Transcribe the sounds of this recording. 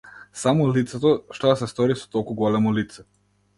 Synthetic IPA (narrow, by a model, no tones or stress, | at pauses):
samɔlit̪sɛt̪ɔʃt̪ɔasɛst̪ɔɾisɔ̥t̪ɔlˠkuɡɔlɛmɔlit̪sɛ